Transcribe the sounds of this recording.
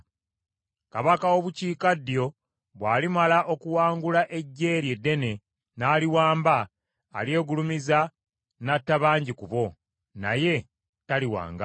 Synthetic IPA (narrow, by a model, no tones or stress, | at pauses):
kaβakaoβuciːkadːjo̞ | βwaːlimalaʔo̞kuwaːŋɡulaʔe̞ɟːe̞ːɾje̞dːe̞ne̞ | naːliwaːmbaː | lje̞ːɡulumiza | natːaβaːɲɟikuβo̞ | na̰je̞ | taliwa̰ːŋɡa